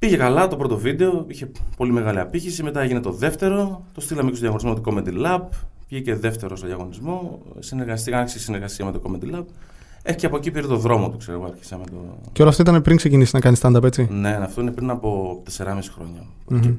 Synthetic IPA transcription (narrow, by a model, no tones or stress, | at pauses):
piʝe̞kɐlɐt̪o̞pɾo̞t̪o̞vid̪e̞o̞içe̞po̞lime̞ɣɐliɐpiçisime̞t̪ɐeʝinet̪o̞ðe̞ft̪e̞ɾo̞t̪ost̪ilɐmikost̪oðjɐɣo̞nizmomt̪okomed̪ilɐppiʝece̞ðe̞ft̪e̞ɾost̪ðjɐɣo̞nizmo̞ | sineɾɣɐsikɐnɐçisesineɾɣɐsiɐme̞t̪okomed̪ilɐb̚ | eçceɐpo̞cipiɾet̪o̞ðɾo̞mot̪ukseɾeɣoɐɾçi̥sɐmet̪o̞̰ceolɐft̪ɐit̪ɐnepɾiŋkse̞cinisinɐkɐnist̪ɐnd̪ɐpet͡sine̞ɐft̪oinepɾinɐpo̞t̪e̞se̞ɾɐmisi̥xɾo̞̰ɲɐ | poi